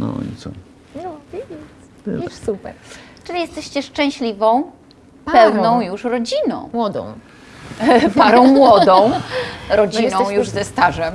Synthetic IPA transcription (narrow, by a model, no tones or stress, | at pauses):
nɔ̰ḭt̪sɔ̰ | ɔbʲiɛ | usupɛ̰ɾt͡ʂɨlʲijɛst̪ɛɕt͡ɕɛʂt͡ʂɛ̃w̃ɕlʲivɔ̃w̃ | ppɛwnɔ̃w̃juʂɾɔd͡ʑinɔ̰̃w̃mwɔd̪ɔ̰̃w̃ | paɾɔ̃w̃mwɔd̪ɔ̃w̃ɾɔd͡ʑinnɔ̃w̃juʐzɛst̪aʐɛm